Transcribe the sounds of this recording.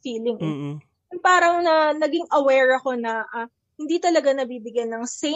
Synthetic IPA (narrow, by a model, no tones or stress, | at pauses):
fiːlɪŋ | npaːɾɐŋnɐnɐɡɪŋʔɐwɛɹɐko̞nɐʔa | hɪnd̪it̪ɐlɐɡanɐbiːbɪɡjɐnːɐŋsɛ